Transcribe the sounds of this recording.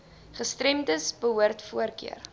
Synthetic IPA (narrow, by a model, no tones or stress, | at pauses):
χəstrɛmtəsbəɦuərtfuərkḭər